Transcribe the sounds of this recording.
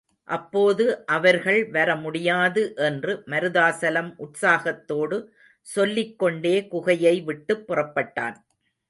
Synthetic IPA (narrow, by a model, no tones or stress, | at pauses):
ʔɐpːoːðɯʔɐʋɐɾɣɐɭʋɐɾɐmʊɽɪjaːðɯʔɛndrɯmɐɾɯðaːsɐlɐmʔʊʈsaːɣɐt̪ːoːɽɯ | sɔlːɪkːɔɳɖeːkʊɣɐjɐɪʋɪʈːɯpːʊrɐpːɐʈːa̰ːn